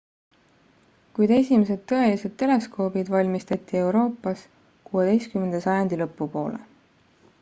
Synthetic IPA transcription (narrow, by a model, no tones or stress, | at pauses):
kujd̪̥e̞sʲime̞s̬e̞d̪̥̚t̪ːɤ̞e̞lise̞d̪̥̚t̪e̞le̞sko̞ːbid̪vɑlʲmist̪ɑt̪ːˑie̞wɾo̞ːpːˑɑs | kuːe̞d̪̥e̞jst̪kymːe̞nd̪esɑjɑnd̪̥ilɤpːupo̞̰ːle̞̰